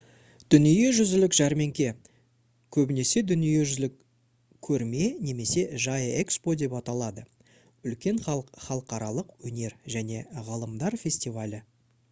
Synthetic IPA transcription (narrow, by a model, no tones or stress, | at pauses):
d̪̥ʏnije̞ʒʏzɪlɪkʒ̥æɾme̞ŋkʲe̞ | kʲʰɵbɪne̞se̞d̪ʏnije̞ʒʏzɪlɪkʲʰː | ɵɾme̞ne̞me̞se̞ʒɑjəekspo̞d̪e̞pɑt̪ɑlˠɑd̪ə | ʏlkʲe̞ɴχɑlˠəqɑɾɑlˠəqwɵne̞ɾʒæne̞ʁɑlˠəmd̪ɑɾfʲe̞sʲt̪ʲivalʲɪ